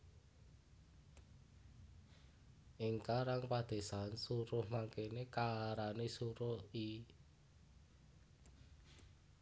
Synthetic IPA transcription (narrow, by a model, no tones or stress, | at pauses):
ʔiŋkaɾaŋpad̪̥e̤sansuɾʊhmaŋkenekaɾanesuɾʊhi